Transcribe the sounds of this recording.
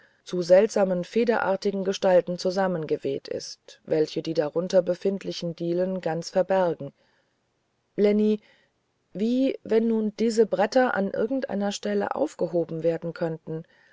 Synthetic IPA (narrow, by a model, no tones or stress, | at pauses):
t͡suzɛltz̥aːmənfeːdɐʔa̰ːɐtɪɡŋ̩ɡəʃtaltn̩t͡suzamənɡəveːtʰɪ̰stvɛlçədiːdaʁʊntɐbəfɪntlɪçn̩diːlənɡant͡sfɛɐbɛɐɡŋ̩ | lɛni | viːvɛnːuːnd̥iːzəbʁɛtɐʔa̰nʔɪ̰ɐɡŋ̩tʔa̰ɪnɐʃtɛlə̰ʔa̰ʊfɡ̥əɦoːbm̩veːɐdn̩kʰœntn̩